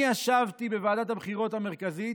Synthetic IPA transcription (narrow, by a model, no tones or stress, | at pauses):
aʃavt̪ibevaːdat̪habχiʁo̞t̪ame̞ʁkazit